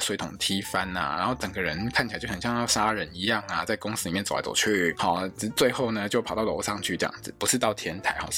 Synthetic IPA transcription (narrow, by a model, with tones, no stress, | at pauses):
swe˧˥ɪt̪ʰʊ̰˨˩ŋt̪ʰi˥fa˥na̰˨ɻa̰˧˥nxo˥˩ʊʈ͡ʂə˨˩ŋɡə˦ɻə˧˦nkʰa˥˩t͡ɕi˨˩a˧˥t͡ɕʰːɕjɑ˥˧ŋjɑ˥˩ʊʂa˥ɻə˧˥ni˧˥jɑ˥˩ŋa˩t͡sa˥˩ɪkʊ˥ŋs̩˥li˨˩mjɛ˥˩t͡sl̰t͡so̰˨˩ʊt͡ɕʰy˥˩xɔ˥˧˩t͡swe˥˧ɪxo˥˩ʊnə˩t͡ɕjo˥˧ʊpʰɑ˨˩ʊt̪ɑ˥˩ʊlʂɑ˥˧ŋt͡ɕʰy˥˧ʈ͡ʂɤ˥˧jɑ̰˥˩ŋd͡zɹ̩˨˩pu˧˥ʂɻ̩˥˧t̪ɑ˥˩ʊt̪ʰjɛ˧˥nt̪ʰa˧˥ɪxɔ̰˥˧˩